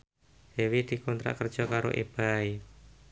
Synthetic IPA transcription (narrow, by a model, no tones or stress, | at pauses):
d̪̥ewid̪̥i̤kɔnt̪ɾa̰ʔkər̥ʒ̥ɔ̤kaɾo̰ʔeb̥ai